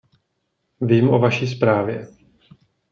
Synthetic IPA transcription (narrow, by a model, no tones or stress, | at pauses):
viːmʔovaʃiːs̬pɾaːvjɛ